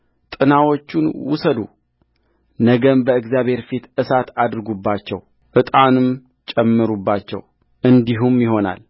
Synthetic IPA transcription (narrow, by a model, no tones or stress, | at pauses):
t̪ʼɨnawot͡ʃːunwʊ̰səd̪ṵ | nəɡəmbəɨɡzjaβhe̞ɾfit̪ɨsat̪ad̪ɨɾɨɡubːat͡ʃːɛw | ʔɨt̪ʼanɨm | t͡ʃʼɛmːɨɾubːat͡ʃːɛ̰w | ʔɨnd̪iɦumjɪɦo̞na̰l